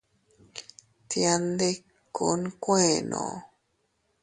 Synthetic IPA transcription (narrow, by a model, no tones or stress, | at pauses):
t̪iand̪ekkːunkʷenõ̰